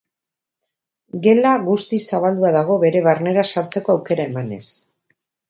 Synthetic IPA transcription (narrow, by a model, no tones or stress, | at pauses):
ɡe̞laɣust̪isaβald̪uaðaɣ̞o̞βe̞ɾe̞βaɾne̞ɾasaɾt͡se̞ko̞awke̞ɾae̞mane̞s